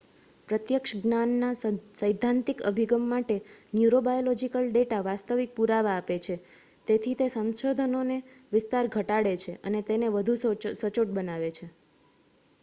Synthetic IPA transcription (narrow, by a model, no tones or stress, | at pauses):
pɾət̪jəkʃɡnanːasəjd̪ʱːãnt̪ikə̰bʱiɡəmːaʈenjuɾobajolɔd͡ʒikəlɖeʈaʋast̪əʋik̚puɾaʋaːpet͡ʃʰe | t̪et̪ʰit̪esə̃nʃod̪ʱənoneʋɪst̪aɾɡʱəʈaɽet͡ʃʰeʔənet̪eneʋəd̪ʱussət͡ʃoʈ̚bənaʋet͡ʃʰe